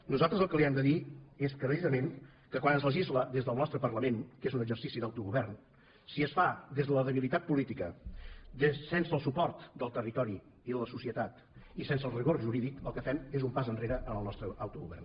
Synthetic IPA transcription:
nuzalˠt̪ɾəzəlˠkəliɛmd̪əðieskɾəsizəmen | kəkwanənzləʒizləðezðəlˠnɔst̪ɾəpərləmenkezunəɡzərsisiðawt̪uɣuβɛrn | siəsfad̪ezðələðəβilit̪at̪̚pulit̪ikəd̪sɛnsəlˠsupɔrt̪d̪əlˠt̪ərit̪ɔɾiː | ðələsusiət̪at̪ | isens̬əlˠriɣorʒuɾiðikəlˠkəfɛmezumpazənreɾəʔənəlˠnɔst̪ɾəawt̪uɣṵβɛ̰rn

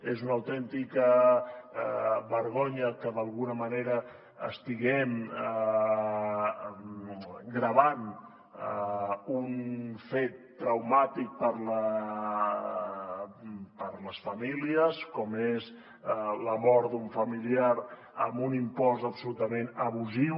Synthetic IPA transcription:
ezunəwt̪ɛnt̪ikə | βəɾɣ̞oɲəkəðəlˠɣunəməneɾə | əst̪iɣɛmə | ɡɾəβan | əunfet̪ːɾəwmat̪ik̚pəɾlə | pəɾləsfəmiliəskɔmez | ləmɔɾd̪uɱfəmiliaɾ | ə̰mbunimpɔzəpsulut̪əmenəβuziw

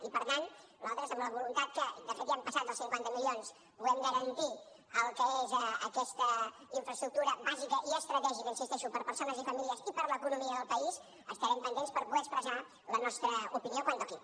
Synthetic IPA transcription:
ipəɾt̪an | alˠt̪ɾəzəmləβulunt̪at̪̚kəd̪əfet̪iampəsat̪əlˠsiŋkwant̪əmilions | puɣɛmɡəɾənt̪i | əlˠkəezəkɛst̪ə | iɱfɾəst̪ɾuk̚t̪uɾəbazikəʔiəst̪ɾət̪ɛʒikəinsist̪ɛʃupəɾpəɾsonəzifəmiliəzipəɾləkunumiəðəlˠpəis | əst̪əɾɛmpənd̪enspəɾpuðɛkspɾəza | lənɔst̪ɾəupiniokwant̪ɔki

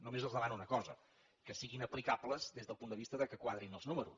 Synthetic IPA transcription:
numezəlˠzəmanuunəkɔzə̰ | kəsiɣinəplikapləzðezðəlˠpund̪əβist̪əðəkəkwaðɾinəlˠznuməɾus

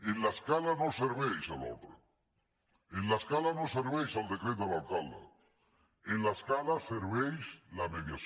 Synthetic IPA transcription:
enlaeskalanoseɾβejsalo̰t̪ɾa | enlaeskalanoseɾβejsald̪ekɾet̪oat̪ala̰ | enlaeskalaseɾβejslameðjaθ

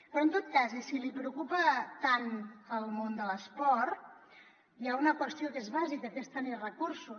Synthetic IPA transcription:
pɾɔnt̪ot̪̚kazesilipɾəukupət̪anəlˠmond̪ələspɔɾt̪ | jaunəkwəst̪iokezβazikəkest̪ənerəkuɾsu

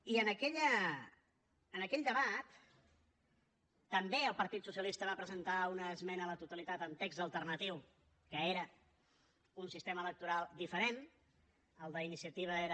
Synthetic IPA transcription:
iənəkɛʎə | nəkɛʎʲd̪əβat̪ | əmbeəlˠpəɾt̪it̪susiəlist̪əβapɾəzənt̪aunəːzmɛnələt̪ut̪əlit̪at̪ənt̪ekzəlˠt̪ərnət̪iw | kəeɾə | unsist̪emələk̚t̪uɾalˠd̪ifəɾen | əlˠd̪əinisiət̪iβ̞əeɾ

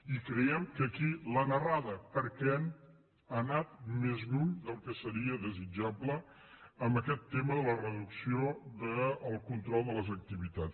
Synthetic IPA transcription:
ikɾəɛmkəkilənəraðəpəɾkɛn | anat̪̚mezɣuʎd̪əlˠkəsəɾiəðəzid͡ʒabləː | mbəkɛt̪ːeməðələrəðuksioðəːlˠkunt̪ɾɔlˠd̪ələzək̚t̪iβit̪at͡s

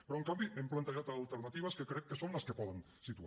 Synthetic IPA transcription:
pɾɔeŋkambiʔemplant̪eʒat̪aːlˠt̪əɾnat̪iβ̞əskəkɾɛkːəsonləskəpɔðən | sit̪u

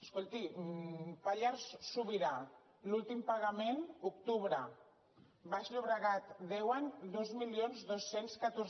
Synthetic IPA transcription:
əskolt̪i | paʎaɾssuβiɾa | lulˠt̪impaɣamenukt̪uβɾə | baʃʎuβɾaɣat̪d̪ɛwand̪ozmiljonzðosːenskat̪oɾ

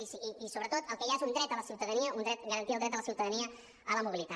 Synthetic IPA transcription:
isːsoβɾət̪ot̪əlˠkəjaezund̪ɾɛt̪ələsjiwt̪əðəniəʔund̪ɾɛt̪ɡəɾənt̪ialˠd̪ɾɛt̪ələsjiwt̪əðəniə | ələmuβilit̪a

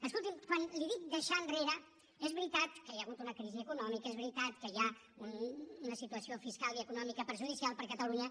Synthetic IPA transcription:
əskulˠt̪imkwanliðik̚d̪əʃanreɾə | ɛzβɾit̪at̪kəliəɣut̪unəkɾiziəkunɔmikezβɾit̪at̪kəja | ununəsit̪uəsiofiskalˠiəkunɔmikəpəɾʒuðisialˠpəɾkət̪əluɲə

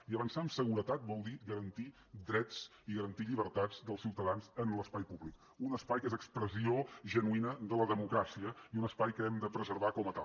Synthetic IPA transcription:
iəβənsaəmsəɣuɾət̪at̪̚bɔlˠd̪iɡəɾənt̪i | d̪ɾɛt͡s | iɣəɾənt̪iʎiβ̞əɾt̪ad͡zd̪əlˠsiwt̪əðanzənləspajpuβlik | unəspajkezəkspɾəzioʒənuinəðələðəmukɾasiəiunəspajkəɛmd̪əpɾəzəɾβakɔmət̪a

